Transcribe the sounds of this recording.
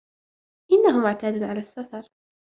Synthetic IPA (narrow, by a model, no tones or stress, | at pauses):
ʔɪnːaɦʊmʊʕt̪aːd̪nʕalaːsːafɑɾˤ